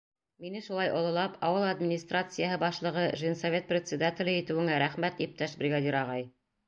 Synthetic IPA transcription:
minɘʃulˠɑjʔŏlˠɤ̆lˠɑpɑwɤlˠad̪mʲɪnʲist̪rat̪sɨjaɦɤbɑʃlˠɤ̆ʁɤʒinsɐvʲe̞t̪̚prʲɪt̪ʲsʲɪd̪atʲɪlʲɘit̪ɘ̆wɘ̆ŋæɾæχmæt̪ip̚t̪æʃbɾʲɪɡad̪ʲiɾɑʁɑj

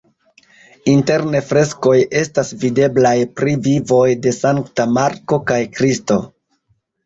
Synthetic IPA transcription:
inte̞ɾne̞fɾe̞sko̞je̞stasvide̞blajpɾivivo̞jde̞saŋktamaɾko̞kajkɾisto̞

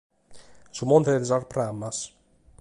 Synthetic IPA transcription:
sumont̪eedzaɾpɾamːas

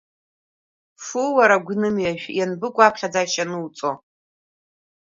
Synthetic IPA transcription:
fuwaɾaɡʷnɨmjaʃᶣjanbɨkʷʼaːpʰχʲad͡zaʃanɨwt͡sʼo

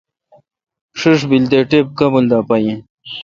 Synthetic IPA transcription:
ʂiʂ̬bild̪eʈep̚kɐbuld̪apɐjĩ

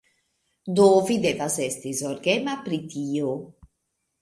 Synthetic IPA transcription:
d̪ovid̪ɛvazɛst̪izɔɾɡɛmapɾit̪iːo

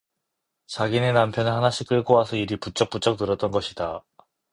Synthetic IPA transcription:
t͡ɕaɡine̞nampʰjʌnnhanaɕʰik͈ɯɭkoasʰʌiɾiput͡ɕ͈ʌk̚p͈ut͡ɕ͈ʌk̚nɯɾʌt͈̚ʌnɡʌɕʰida

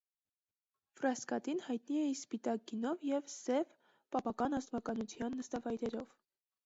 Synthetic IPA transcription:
frɑskɑt̪inhɑjt̪niɛispit̪ɑk̚ɡinɔvjɛvsɛv | pɑpɑkɑnɑzt̪vɑkɑnut͡sʰjɑnːəst̪ɑvɑjɾɛɾɔv

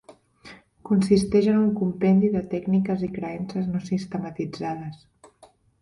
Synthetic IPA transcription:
kunsist̪ɛʒənuŋkumpɛnd̪iðət̪ɛɡnikəzikɾəɛnsəznosist̪əmət̪id͡zað̞əs

